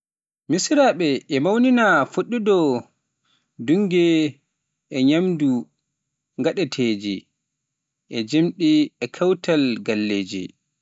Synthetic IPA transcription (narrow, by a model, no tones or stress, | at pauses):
misɾaɓɛɛmawninafuɗːudɔ | duŋɡɛ | ɛɲamdu | ŋɡaɗɛtʰeːd͡ʒḭ | ʔɛd͡ʒemɗiɛkʰawtʰalɡalːeːd͡ʒḭ